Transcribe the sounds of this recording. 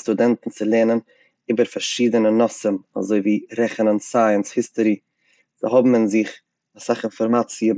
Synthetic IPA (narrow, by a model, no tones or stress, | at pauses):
studɛntn̩t͡sɪlˠeːnən | iːbəɾfaɾʃiːdənənɔsəma̰zoɪviːɾɛχənənsaɪənshɪstʊɾi | z̥ɪɦɔbm̩ɪnzɪχ | asaχɪnfɔɾmat͡siə